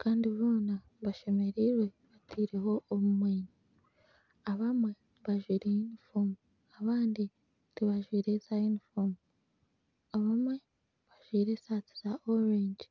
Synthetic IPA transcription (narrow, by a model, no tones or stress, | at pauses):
kaːndiβoːna | βaʃe̞me̞ɾiɾwe̞βatʰiːɾe̞ho̞ʔːmumweːɲu | aβamwe̞ | βaʒwiːɾejunifomu | aβaːndi | tiβaʒwiːɾe̞sajunifomu | aβamwe̞ | βaʒwiːɾe̞saːt͡si̥z̥aʔoɾeɲd͡ʒ